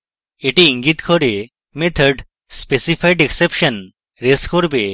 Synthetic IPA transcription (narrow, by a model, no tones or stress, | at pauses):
eʈiiŋɡit̪kʰɔɾe | met̪ʰəɾɖ | spesipʰajɖeksepʃən | ɾeskɔɾbe